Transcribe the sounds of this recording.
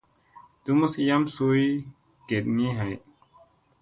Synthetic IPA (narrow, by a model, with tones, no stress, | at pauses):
du˦mu˦ski˧ja˦msu˧˦j | ɡe˨t̚ni˦ɦa˨j